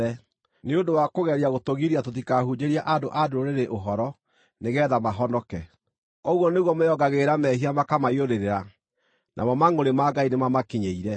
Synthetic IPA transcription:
ɛ | neodowakoɣɛɾiaɣotoɣiɾiatotikahud͡ʒeɾiaʔadoʔadoɾoɾeɾeʔoɦɔɾɔ | neɣɛːðamaɦɔnɔkɛ | oɣwɔneɣwɔmojɔɡaɣeɾamɛhiamakamaioɾeɾeɾa | nʔa̰mɔmaŋoɾemaɡainemamakiɲeiɾɛ

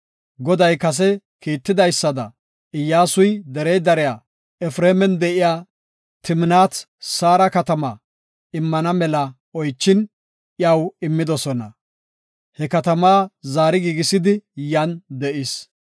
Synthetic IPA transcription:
ɡɔd̪ɐjkɐs̬ɛ | kiːt̪ːɪd̪ɐjsːɐd̪ɐ̰ | ɪjːaːsʊjd̪ɛɾɛjd̪ɐɾɛjaː | ɛfɾeːmɛnd̪ɛʔɪjaː | t̪ɪmɪnaːt̪ | saːɾɐkɐt̪ɐmɐ | ɪmːɐnɐmɛlɐ | ɔjt͡ʃːɪn | ʔjɐwɪmːɪd̪ɔsɔnɐ̰ | hɛkɐt̪ɐmaːzaːɾɪɡiːɡɪsɪd̪ɪjɐnd̪ɛʔɪs

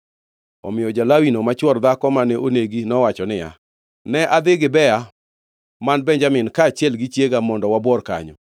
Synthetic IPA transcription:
ɔ̰mɪjɔd͡ʒalawinomat͡ʃwɔɾd̪akɔmanɛʔoneɡinɔwat͡ʃɔnɪja̰ | nɛʔad̪ɪɡɪbɛa | manbɛɲd͡ʒamɪnkaːt͡ʃjɛlɡit͡ʃjeɡamɔndɔwabwɔrka̰ɲɔ̰

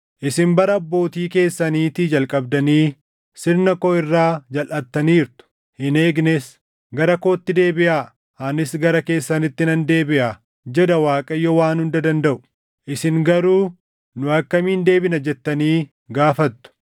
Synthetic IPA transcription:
ʔɪsɪmbɐɾɐɐbːo̞ːt̪iːke̞ːsːɐniːt̪ɪd͡ʒɐlkʼɐbd̪ɐniː | sɪɾnɐkɔɪrːaːd͡ʒɐlʔɐt̪ːɐniːɾt̪ʊ̥ | hɪne̞ːɡnɛs | ɡɐɾɐkoːt̪ːɪd̪e̞ːbɪʔaː | aːnɪsɡɐɾɐke̞ːsːɐnɪt̪ːɪnɐnd̪e̞ːbɪʔaː | d͡ʒɛd̪ɐwaːkʼɐjːɔwaːnhʊnd̪ɐd̪ɐnd̪ɐʔʊ̥ | ʔɪsɪŋɡɐɾuː | nʊɐkːɐmiːnd̪e̞ːbɪnɐd͡ʒɛt̪ːɐniː | ɡaːfɐt̪ːʊ̥

